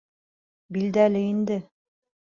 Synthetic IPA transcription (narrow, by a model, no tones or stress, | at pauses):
bild̪ælɘind̪ɘ